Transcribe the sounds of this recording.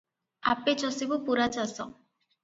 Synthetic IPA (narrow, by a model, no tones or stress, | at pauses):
a̰pet͡ʃɔsibupuɾat͡ʃasɔ